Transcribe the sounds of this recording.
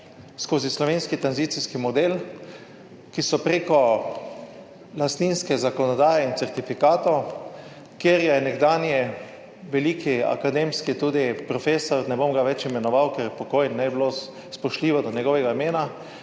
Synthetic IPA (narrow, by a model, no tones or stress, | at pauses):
skoːzislɔʋeːnskit̪ɾanziːt̪siskimɔd̪el | kisɔpɾekɔ | last̪niːnskɛzakɔnɔd̪aːjɛint̪sɛɾt̪ifikaːt̪ɔw | kjeːɾjɛnɛɡd̪aːnjɛ | ʋɛliːkia̰kad̪emskit̪uːd̪ipɾɔfeːsɔɾnɛbomɡaʋɛt͡ʃimɛnɔʋawkɛɾpɔkojnːɛjblo | spɔʃliːʋɔd̪ɔnjɛɡɔʋɛɡaimeːna